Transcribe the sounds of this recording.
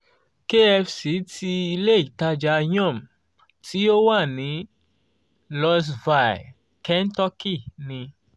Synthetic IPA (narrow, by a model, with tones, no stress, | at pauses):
ke˦ɛ˧fsi˨˦tʰi˧i˧le˦i˨˦ta˧d͡ʒa˧jɔ̃˦˨m̩˨ | ti˦o˦wa˦˨nĩ˨˦ | lɔ˧s̬va˨j̰ | kɛ˦n˦tɔ˦ki˦˨nĩ˧